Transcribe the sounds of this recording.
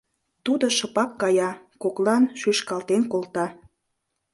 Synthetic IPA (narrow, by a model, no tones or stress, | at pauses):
t̪ud̪oʃɤpɑkːɑjɑkoklɑnʃyʃkɑlt̪enkolt̪ɑ